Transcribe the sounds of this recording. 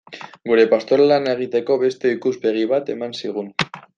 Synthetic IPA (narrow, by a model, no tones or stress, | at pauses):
ɡuɾe̞past̪o̞ɾlane̞ɣ̞it̪e̞ko̞βe̞st̪e̞ikuspe̞ɣ̞iβ̞at̪e̞mansiɣ̞un